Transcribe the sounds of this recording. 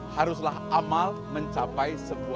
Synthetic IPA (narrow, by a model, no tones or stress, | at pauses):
haɾuslahʔamal | mə̃ɲt͡ʃapajsəbu